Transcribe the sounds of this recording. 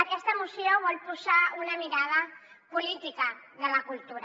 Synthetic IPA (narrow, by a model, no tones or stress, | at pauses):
əkɛst̪əmusjoβɔlpuzaunəmiɾað̞ə | pulit̪ikə | ðələkulˠt̪uɾ